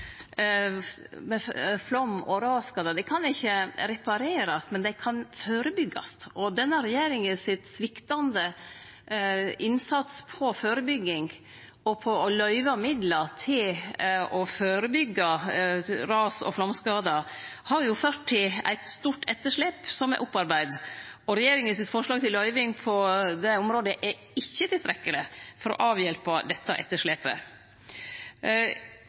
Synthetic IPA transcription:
mɛflɔmːoːɾəɾɑskɑd̪əd̪ɛkʰɑnɪçəɾɛpɑɾeːɾɑsmɛnd̪ɛkʰɑnføːɾəbʏɡːɑ̰sʔɔd̪ɛnːəɾɛjeːɾɪŋənsɪt̪sʋɪkt̪ɑnd̪ə | ʔɪnsɑt̪spʰɔføːɾəbʏɡːɪŋ | ɔpʰɔɔlœʏʋɑmɪd̪ləɾt̪ʰɪlɔføːɾəbʏɡːɑ | ɾɑːsɔ̰flɑmskɑːd̪ɑhɑɾjʊføːʈ̪ʰːɪlæ̰ɪt̪st̪uːʈɛt̪ːəʂɭeːpsɔmæ̰ʔʊpːɑɾbæɪd̪ɔɾɛjeːɾɪŋənsɪt̪fɔʂɭɑːɡ̚t̪ʰɪlːœʏʋɪŋpʰɔd̪ɛɔmɾoːd̪əʔɛ | ɪçːət̪ʰɪst̪ɾɛkːəlɪfɔɾɔ̰ʔɑːʋjɛlpɑd̪ɛt̪ːɑ̰ʔɛ̰t̪ːəʂɭeːpə̰

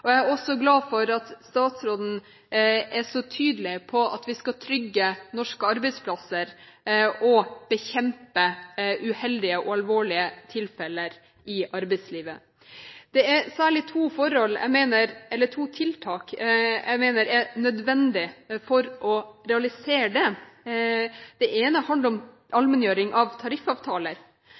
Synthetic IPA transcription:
ɔææɾɔsɔɡlɑːfɔɾɑt̪st̪ɑːt̪sɾoːd̪n̩ | æʂɔt̪ʰyːd̪əlɪpʰɔʔɑt̪ʋɪskɑt̪ʰɾʏɡːənɔʂkəɑɾbɛɪspʰlɑsəɾ | ɔb̥əçɛmpəʉhɛld̪ɪəʔɔɑlʋoːɭɪət̪ʰɪlfɛləɾ | ʔɪʔɑɾbɛsliːʋə | d̪̥ɛæɾsæːɭɪt̪ʰuːfɔɾɔlæ̰ɡmeːnəɾɛlːəʈʰuːt̪ʰɪlt̪ʰɑːkjʔæ̰ɡmeːnəɾæɾnœd̪ʋɛnd̪ɪfɔɾʔɔɾɛɑlɪseːɖɛ | d̪̥ɛʔeːnəhɑnd̪əɾɔm | ɑlmɛnjøːɾɪŋʔɑʋt̪ʰɑɾɪfɑːʋt̪ʰɑːləɾ

